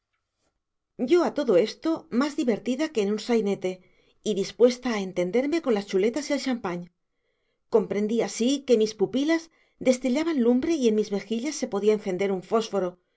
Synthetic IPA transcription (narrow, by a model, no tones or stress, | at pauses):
ɟ͡ʝo̞at̪o̞ðo̞e̞st̪o̞mazðiβe̞ɾt̪iðake̞ːnunsajne̞t̪e̞ | iðispwe̞st̪aːent̪e̞nd̪e̞ɾme̞ko̞nlast͡ʃule̞t̪asielʃampaɲ | ko̞mpɾe̞nd̪iasike̞mispupilaz | d̪e̞st̪iʎaβanlumbɾe̞ie̞nmizme̞xiʎasːe̞po̞ð̞iaenθe̞nd̪e̞ɾuɱfo̞sfo̞ɾo̞